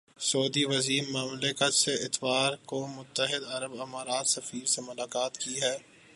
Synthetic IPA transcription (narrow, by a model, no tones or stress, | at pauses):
sɔːd̪iʋɐziːmmaːmlɪkət̪seɪt̪ʋaːɾkomʊt̪ːəɦɪd̪ɐɾəbɐmaːɾaːt̪sɐfiːɾsemʊlaːkaːt̪kiɦɛː